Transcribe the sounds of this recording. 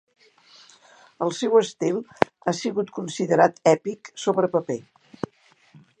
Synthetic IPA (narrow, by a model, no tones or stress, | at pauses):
əlˠsɛwəst̪ilˠ | asiɣut̪kunsiðəɾat̪ɛpiksoβɾəpəpe